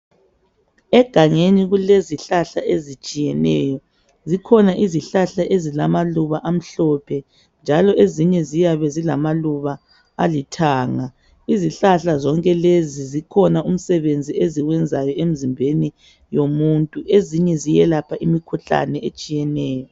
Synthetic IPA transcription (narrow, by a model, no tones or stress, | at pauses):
ɛɡ̥ʱaŋeniɣuleziɬaɬaʔezit͡ʃʼijɛnɛ̰ːjɔ | zikʰɔnaʔiziɬaɬaʔezilamaluβaʔam̩ɬɔpʰɛ | nd͡ʒʱalɔʔeziɲɛzijaβɛzilamaluβa | alitʰaːŋa | iziɬaɬazɔŋkʼɛlezizikʰɔnaum̩sɛβend͡zʱieziɣwɛnd͡zʱajɔem̩zimbʱeni | jomuntʼuʔeziɲɛzijɛlapʰaʔimikʰuɬa̰nɛet͡ʃʼijɛnɛːjɔ